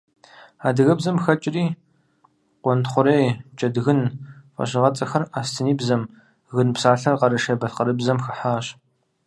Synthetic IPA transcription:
aːdɨɣɐbzɐmxɐt͡ʃʼɪriː | qʷɔntχʷʊɾejt͡ʃʼɐdɣɨnfʼɐ̰ɕɨʁɐt͡sʼɐxɐraːstʰɨniːbzɐm | ɣɨnpsaːɬɐrqɐɾɨʃɐbɐɬqɐɾɨbzɐmxɨħaːɕ

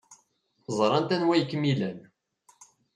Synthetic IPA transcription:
zˤɾˤɑnt̪ænwæjəkːmilæn

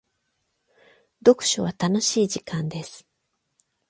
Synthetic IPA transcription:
d̪o̞kɯ̟̥ɕoβat̪ano̞ɕiːʑikãnd̪e̞sɨ̥

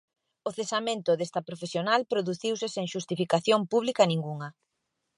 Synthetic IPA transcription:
ʊθesamẽnt̪ʊðest̪ɐpɾofesjonalpɾoðuθiwsɪseŋʃust̪ifikaθjompuβlikɐnĩŋɡuŋɐ

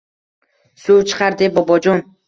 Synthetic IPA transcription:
suwt͡ʃʰɨ̥qʰɑɾd̪ebɒbɒd͡ʒɒn

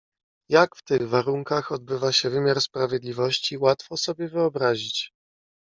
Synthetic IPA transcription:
jakft̪ɘɣvaɾuŋkaxɔd̪̚bɘvaɕɛvɘmʲjaɾspɾavʲjɛd̪lʲivɔɕt͡ɕiwat̪fɔsɔbʲjɛvɘɔbɾaʑit͡ɕ

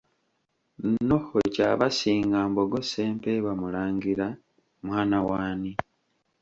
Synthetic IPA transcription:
nohocaβasiːŋɡaːmboɡo̞seːmpeβamulaːŋɡiɾa | mwaːnawaːni

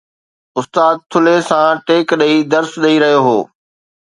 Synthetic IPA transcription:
ʊst̪aːd̪̚t̪ʰʊlesãʈeːkɗɐid̪ɐɾsɗɐiɾɐɦijoɦoː

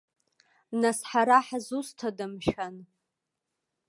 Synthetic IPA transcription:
nasħaɾaħazustʰadɨmʃan

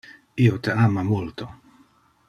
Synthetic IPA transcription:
iot̪eamamult̪o

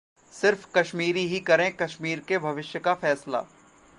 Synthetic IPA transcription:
sɪɾfkɐʃmiːɾiɦikɐɾẽkɐʃmiːɾkebʱɐʋɪʃjəkafɛːsla̰ː

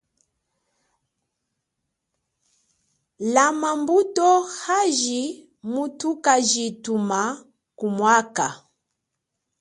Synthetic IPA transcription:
lamambutɔhaʒi | mutukaʒituma | kumwaka

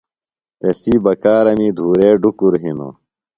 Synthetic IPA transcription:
t̪esiːbɐkaːɾɐmid̪ʱuːɾeːɖukuɾɦino̰

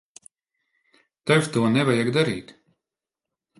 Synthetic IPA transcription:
t̪ɛvt̪uɔnʲɛvajaɡd̪aɾiːt̪

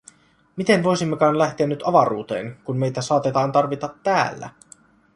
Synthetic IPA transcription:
mit̪e̞nʋo̞jsimːekɑːnlæht̪eænːyt̪ɑʋɑɾuːt̪eːnkunme̞jt̪æsɑːt̪et̪ɑːnt̪ɑrʋit̪ɑt̪ːæ̰ːlːæ̰

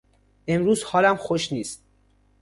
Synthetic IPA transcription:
ʔe̞mɾuːzhɒːlæmxoʃniːst̪̚

